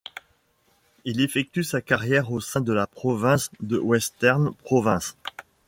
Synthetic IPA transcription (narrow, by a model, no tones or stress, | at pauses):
ilefɛk̚t̪ysakaʁjɛʁosɛ̃d̪əlapχɔvɛ̃sd̪əwɛst̪ɛʁnpχɔvɛ̃s